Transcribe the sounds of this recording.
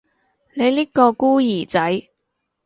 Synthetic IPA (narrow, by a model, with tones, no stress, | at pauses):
ne˨˧jliː˥kɔː˧kuː˥jiː˨˩t͡sɐ˨˥j